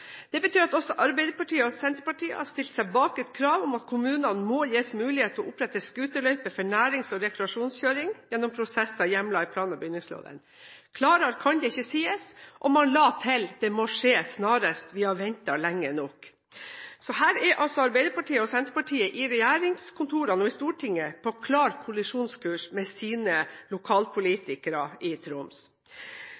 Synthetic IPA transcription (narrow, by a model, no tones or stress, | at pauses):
d̪̥ɛbət̪ʰyːɾɑt̪ɔsːɔʔɑɾbɛɪd̪əɾpɑʈiːəɔsɛnt̪ɾpɑʈiːə̰hɑɾst̪ɪlt̪sæɪbɑːkɛt̪kʰɾɑːʋɔmɑt̪kʰʊmʉːnɑnmɔjeːsmʉːlɪheːt̪əɔʔʊpɾɛt̪ːəskʉːt̪əlœʏpəfɔɳæːɾɪŋsɔɾɛkɾɛɑʂuːnsçøːɾɪŋjɛnːɔmpʰɾʊsɛsɑjɛmlɑɪpʰlɑːnɑbəjʏnːɪŋslo̰ːd̪ə̰n | kʰlɑːɾɑɾkʰɑnd̪ɛɪçːəsiːəsʔɔmːɑnlɑːt̪ʰɪld̪̥ɛmɔʂeːsnɑːɾəst̪ʋɪhɑʋɛnt̪ɑlɛŋːənɔk | sɔhæːɾɛɾʔɑlsɔɑɾbæɪd̪əɾpɑʈiːəɔsɛnt̪ɾəpɑʈʰiːəʔɪɾɛjæːɾɪŋskʰʊnt̪ʰuːɾɑnɔɪst̪uːʈʰɪŋːəpʰɔkʰlɑːɾkʰʊlɪʂuːnskʉːʂmɛsiːnəlʊkʰɑːlpʰʊliːt̪ɪkəɾɑɪt̪ʰɾʊms